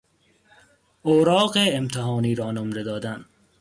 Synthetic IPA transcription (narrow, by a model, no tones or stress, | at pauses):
oːɾɒːɢeːmt̪ʰeɦɒːniːɾɒːnomɾed̪ɒːd̪æn